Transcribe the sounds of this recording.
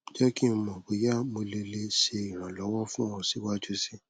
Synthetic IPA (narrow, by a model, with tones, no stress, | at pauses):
d͡ʒɛ˦ki˦˧mɔ̃˨we˨˦ja˦mo˧le˧le˦ʃe˧i˨ɾ̃ã˨lɔ˨˦wɔ˦fũ˦ɔ̃˧si˨˦wa˦d͡ʒu˦si˦˨